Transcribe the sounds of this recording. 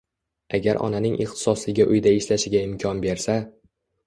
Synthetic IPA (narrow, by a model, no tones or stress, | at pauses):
aɡʲaɾʔɒ̰nanɪŋʔɪχt̪ʰɪ̥sɒslɪɡʲaʔʊjd̪aɪʃlaʃɪɡʲaɪmkʲʰɒnbe̞ɾsa